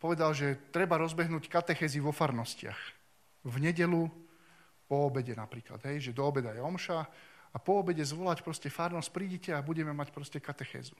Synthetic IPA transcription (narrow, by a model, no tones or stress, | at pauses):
pɔʋɛd̪alʒɛt̪ɾɛbaɾɔzbɛɦnuːckat̪ɛxɛːziʋɔfaɾnɔscɪa̰x | vɲɛɟɛlu | pɔɔbɛɟɛnapɾiːkla̰d̪ɦɛjʒɛd̪ɔːbɛd̪ajɛɔmʃaapɔɔbɛɟɛzʋɔlacpɾɔscɛfaɾnɔsc̚pɾiːɟɛcɛabuɟɛmɛmacpɾɔscɛkat̪ɛxɛ̰ːzu̥